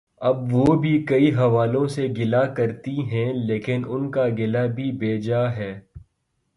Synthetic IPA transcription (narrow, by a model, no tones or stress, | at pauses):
ɐbʋoːbʱikɐiɦɐʋaːlõseɡɪlakɐɾt̪iɦɛ̃leːkɪnʊnkaɡɪlabʱibeːd͡ʒaɦɛː